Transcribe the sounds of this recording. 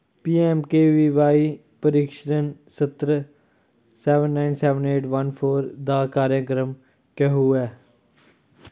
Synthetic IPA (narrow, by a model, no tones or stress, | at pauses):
piːɛːmkeːʋiːʋaːiː | pəɾiːkʃɾənsət̪ɾə | sɛːʋənːaːɪnsɛːʋəneːʈʋənpʰoːɾd̪aːkaːɾjəkɾəm | kɛɦuːɛː